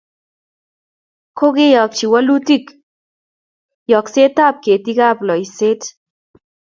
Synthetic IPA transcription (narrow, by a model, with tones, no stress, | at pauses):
ko˦ɡɪ˦jɔ˨k̚t͡ʃi˨wa˦lu˦ti˦k | jɔ˨kse˦t̪a˦p̚ke˨ti˦ɡa˦plɔ˨i˨se˦t